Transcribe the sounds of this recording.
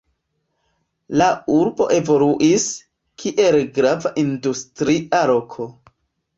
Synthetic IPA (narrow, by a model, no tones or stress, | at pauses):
lauɾbo̞̰ʔe̞vo̞luʔis | kʰiʔe̞lɡɾavaʔindustɾiʔaɾo̞kʰo